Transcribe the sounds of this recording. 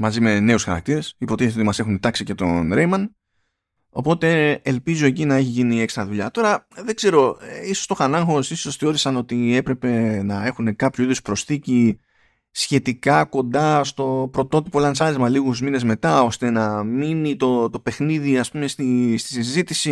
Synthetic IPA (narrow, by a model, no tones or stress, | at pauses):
mɐzime̞ne̞usxɐ̰ɾɐ̰k̚t̪iɾe̞sipot̪iθesioimɐse̞xunt̪ɐksice̞t̪o̞̰nɾejmɐn | o̞po̞t̪e̞ːlpizo̞e̞cinɐeçiʝinie̞kst̪ɾɐðuʎɐt̪o̞ɾɐðe̞ɡz̥e̞ɾo̞eisost̪o̞xɐnɐŋxo̞siso̞sθeo̞ɾisɐno̞t̪ie̞pɾe̞pe̞nɐe̞xune̞kɐpçuiðuspɾo̞sθici | sçe̞t̪ikɐko̞nd̪ɐst̪o̞pɾo̞t̪o̞t̪ipoelɐnsɐɾizmɐliɣuzmine̞zme̞t̪ɐo̞st̪e̞nɐminit̪o̞t̪o̞pe̞xniðiɐspume̞st̪ist̪i̥sizit̪isi